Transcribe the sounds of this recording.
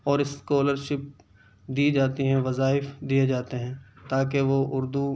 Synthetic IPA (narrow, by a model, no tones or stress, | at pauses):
ɔːɾɪskoːləɾʃɪp̚ | d̪iːd͡ʒaːt̪iɦɛ̃ʋɐzaːɪfd̪ijed͡ʒaːt̪eɦɛ̃ːt̪aːk̬eʋoʊɾd̪u